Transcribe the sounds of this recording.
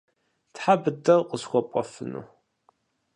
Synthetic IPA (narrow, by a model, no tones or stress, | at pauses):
tħabɨdɐrqʼəsxʷɔpʷʼɔfɨ̰nṵ